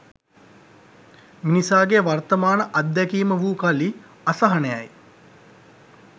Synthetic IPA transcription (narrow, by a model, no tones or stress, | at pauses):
minisaːɡeʋart̪əmaːnəʔɐd̪ːɛkiːməʋuːkali | asɐɦɐnəja̰j